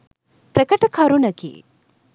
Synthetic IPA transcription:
pɾekɐʈɐkʰɐɾunɐɡḭː

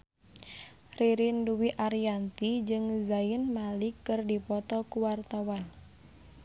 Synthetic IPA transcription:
riɾinduwiʔaɾijant̪id͡ʒɨŋzaɪnmalikːɨrdipɔt̪ɔkuwart̪awan

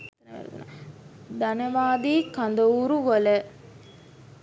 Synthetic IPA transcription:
n | d̪anəʋaːd̪iːkand̪əuɾuʋələ

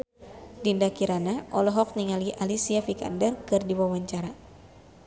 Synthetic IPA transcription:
dindakiɾanaʔɔlɔɦɔk̚niŋaliʔalisiafika̰ndərkɨrdiwawaɲt͡ʃaɾa

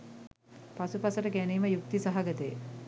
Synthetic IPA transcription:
pasupɐsəʈəɡæniːməjuk̚t̪isaɦaɡət̪əj

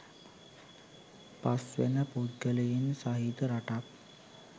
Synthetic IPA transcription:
pasʋḛnapod̪ɡəlejinsaɦid̪əɾaʈak

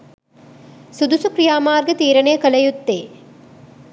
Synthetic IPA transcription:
sud̪usukɾijaːmaːɾɡɐt̪iːɾɐnɐjɐkɐlɐjut̪ːeː

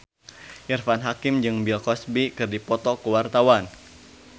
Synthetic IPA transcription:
ʔirfanɦakimd͡ʒɨŋbilkɔsbikɨrdipɔt̪ɔkəwart̪awan

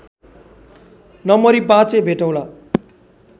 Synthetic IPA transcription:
nʌmʌɾipãt͡sebʱeʈʌw̃la

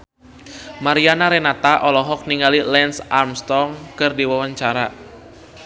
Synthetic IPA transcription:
maɾianaɾɛnat̪aʔɔlɔɦɔk̚niŋɡalilɛnsarmst̪ɔŋkɨrdiwawaɲt͡ʃaɾa

